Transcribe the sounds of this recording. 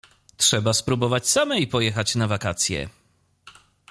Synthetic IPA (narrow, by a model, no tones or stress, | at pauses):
tʂɛbaspɾubɔvat͡ɕsamɛipɔjɛxat͡ɕnavakat̪sʲjɛ̰